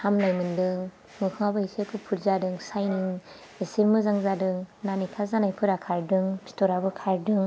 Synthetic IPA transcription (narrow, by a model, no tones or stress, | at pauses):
hamlajmɯndɯŋ | mɯkʰɯŋabɯisʰekʰɯpʰuɾzadɯŋsajniŋ | esemɯzaŋzadɯŋnanikʰazanajpʰɯɾakʰaɾdɯŋpʰi̥tʰɔɾabɯkʰaɾdɯŋ